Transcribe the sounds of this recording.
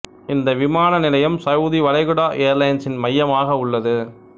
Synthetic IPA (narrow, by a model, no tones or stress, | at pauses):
ɪnd̪ɐʋɪmaːnɐnɪlɐjɐmsɐjuðiʋɐlɐɪɣɯɽaːʔejɐɾlɐjnsɪnmɐjːɐmaːɣɐʊɭːɐðɯ